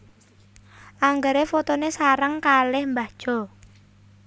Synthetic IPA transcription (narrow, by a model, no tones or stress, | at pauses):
ʔaŋɡəɾefot̪onesaɾəŋkalɪhmbad̥ʒ̥ɔ̤